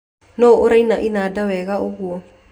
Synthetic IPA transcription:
noʔoɾainaʔinadawɛɣaoɣuɔ

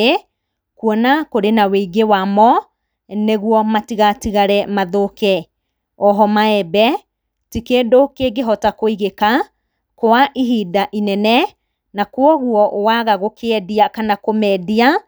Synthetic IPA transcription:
e | kuɔnakoɾenaweiɡewamɔ | neɣwɔmatiɣatiɣaɾɛmaðokɛ | ɔɦɔmaɛbɛ | tikedokeɡeɦɔtakoiɣeka | koaʔiɦidaʔinɛnɛ | nakwɔɣuɔʔwaɣaɣokeɛdiakanakomɛdia

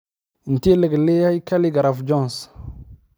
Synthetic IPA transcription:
n̩tiləɡleajkaliɡaɾafd͡ʒɔns

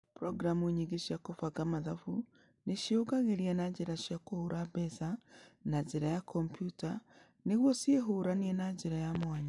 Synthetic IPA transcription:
pɾoɡɾamueɲiɡiʃakufaɡamaðafu | neʃioɡaɣeɾianaɟiɾaʃakuhuɾabesanaɟiɾajakʰompjuta | niɣwosjeɦuɾanienaɟiɾajamwaːɲa

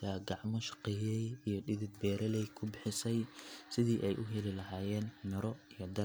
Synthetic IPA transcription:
ɐɡɑʕmɔʃɑ̥qɛjɛjijɞɗɪðɪd̪̚bɛːɾɐlɛjkʰʊbɪħɪsɛjsɪðiːʔɛjʔʊɦɛlɪlɐɦaːjɛːnmɪɾɔijɞd̪ɐ

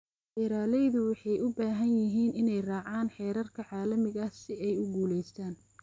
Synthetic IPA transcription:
ʔɪɾaːlɛjðʊwɑħɑjʊbaːɦɐnjɪɦiːnɪnɛjrɑːʕaːnħɛːɾɐrkʰɐʕɑːlɐmɪɣɐsɪʔɛjʊɡuːlɛjst̪ʰaːn

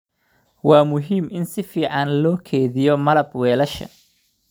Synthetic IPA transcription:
wɑːmʊɦiːmɪnsɪfiːʕɑnlɔːkʰɛːðɪjɔmɐlɐbwɛːlɐʃɐ̰

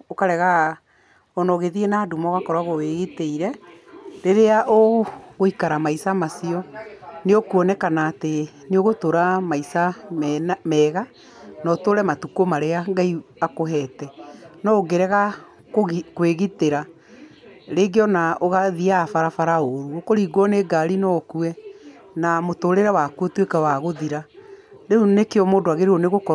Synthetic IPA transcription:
okaɾɛɣa | ɔnɔɣeðienaːdumɔɣakɔɾwaɣoweɣiteiɾɛ | ɾeɾeaʔoɣoikaɾamaisamasiɔneokuɔnɛkanaːte | neoɣotoɾamaisammɛːɣa | nɔtoɾɛmatukomaɾeaŋɡaiakoɦɛtɛnɔoɡeɾɛɣa | kkweɣiteɾa | ɾeːɡeɔnaoɣaðiafaɾafaɾaoɾuokoɾiːɡwɔneɡaɾinɔkuɛ | namotoɾeɾawakuotwekawaɣoðiɾaɾeunekeɔmoːdoaɣeɾeoneɣokɔ

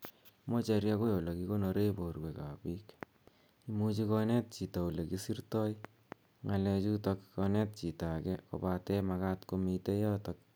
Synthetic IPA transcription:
mot͡ʃeɾjakojolokikonoɾeborweka̰pik | imut͡ʃikɔnet̚t͡ʃitaulekisirtɔj | ŋalɛt͡ʃutɔkkɔnɛt̚t͡ʃitakɛko̰patɛmakatkomitejɔtɔk̚

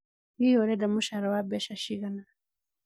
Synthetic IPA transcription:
wijɔɾɛdamuʃaɾawabɛʃaʃiɣana

